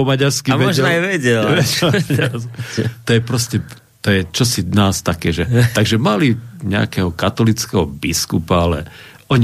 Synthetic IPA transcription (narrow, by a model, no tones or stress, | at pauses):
ɔmaɟaɾskiɛɔʒajʋɛɟɛlʋɛaɾst̪ɔjɛpɾɔscɛ | t̪ɔjɛt͡ʃɔsinaːst̪akɛːʒɛt̪aɡʒɛmaliɲɛa̰kɛɦɔkat̪ɔlit͡skɛɦɔbiskupaalɛ̰ʔɔɲi